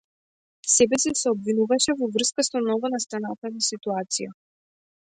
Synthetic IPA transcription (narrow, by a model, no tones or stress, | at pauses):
sɛbɛsɛsɛɔbvinuvaʃɛvɔvr̩skasɔmnɔɡɔnast̪anat̪anasit̪uat̪sija